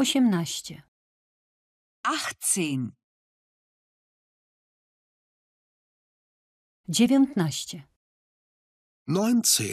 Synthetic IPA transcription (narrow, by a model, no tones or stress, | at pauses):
ɔɕɛmnaɕt͡ɕɛ | axt͡siːn | d͡ʑɛvʲjɔnt̪naɕt͡ɕɛ | najntʰḭ